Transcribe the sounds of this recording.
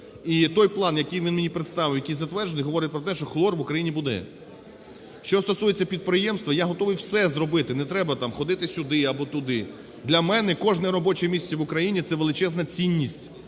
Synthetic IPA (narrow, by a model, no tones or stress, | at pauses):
it̪ɔjplˠɑnjɐkɪjʋʲinmenʲipɾet̪st̪ɑʋɪwjɐkijzɐt̪ʋɛrd͡ʒenjɦɔʋɔɾɪt̚ʲpɾɔt̪ɛʃt͡ʃɔxlˠɔrʋʊkɾɐjinʲibud̪ɛ̰ | ʃt͡ʃɔst̪ɔsujet͡sʲːɐpʲid̪̚pɾɪjɛmst̪ʋɐjaɦɔt̪ɔʋɪjwsɛzrɔbɪt̪ɪnɛt̪ɾɛbɐt̪ɑmxɔd̪ɪt̪ɪsʲʊd̪ɪɐbɔt̪ʊd̪ɪ | d̪lʲɐmɛnɛkɔʒnɛɾɔbɔt͡ʃɛmʲisʲt͡sʲɛʋʊkɾɐjinʲit̪sɛʋelˠɪt͡ʃɛznɐt͡sʲinʲːisʲtʲ